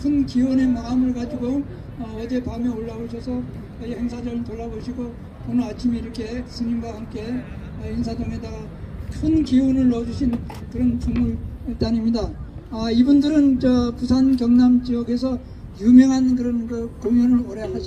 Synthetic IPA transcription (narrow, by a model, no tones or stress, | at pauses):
kʰɯnkiune̞maɯmɯɭkad͡ʑiɡo | ʌʌd͡ʑe̞pameoɭːaboɕʰʌsʰʌ | ihe̞ŋsʰad͡ʑʌtoɭːaboɕʰiɡo | konɯat͡ɕʰimiːɾʌkʰe̞sʰɯɲimɡwahamk͈e̞ | ʌinsʰadoŋe̞daɡa | kʰɯnkiunɯɭːʌd͡ʑuɕʰin | kɯɾʌnt͡ɕoŋmuɭit͈animɲidaʌibundɯɾɯnt͡ɕʌpusʰankjʌŋnamt͡ɕiʌɡe̞sʰʌ | jumjʌŋɦank̬ɯɾʌnkɯkoŋjunɯɭoɾʌɦad͡ʑ